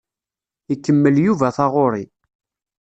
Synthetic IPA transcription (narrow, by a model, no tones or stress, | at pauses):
ikːəmːəljuvæθɑʁoɾˤi